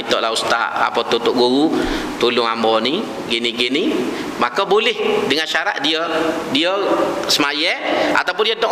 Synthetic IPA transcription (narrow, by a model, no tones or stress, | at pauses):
it̪ɔʔlaust̪a̰ʔa̰pət̪ut̪ʊʔɡuɣut̪ulʊŋambɔni | ɡiniɡini | makəbolɪhdəŋanʃaɾaʔ̚diədiəsəmajəa̰t̪awp̬ʊndiədɔ